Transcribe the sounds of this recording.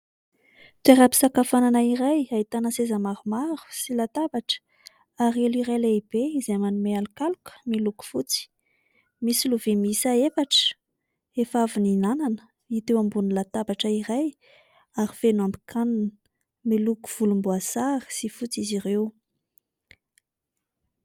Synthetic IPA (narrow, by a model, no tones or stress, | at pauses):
t̪eɾapi̥sakafananaiɾajait̪anəsezəmaɾumaɾu̥silat̪abaʈ͡ʂə̥ | aɾeliɾajleib̥eizemanumealikalukə̥miluku̥fut͡si̥ | misiluvimisaefaʈ͡ʂə̥ | efavininananə̥ | it̪ewambunilat̪abaʈ͡ʂəiɾaj | aɾifenuambi̥kʰanun | miluku̥v̥ulumbuasaɾi̥sifut͡sizirew